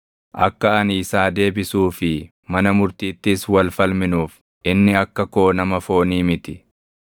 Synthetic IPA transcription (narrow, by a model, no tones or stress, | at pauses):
ʔɐ̰kːɐɐniːsaːd̪e̞ːbɪsuːfɪ | mɐnɐmʊɾt̪iːt̪ːɪswɐlfɐlmɪnuːf | ʔɪnːɪɐkːɐkoːnɐmɐfo̞ːniːmɪt̪ɪ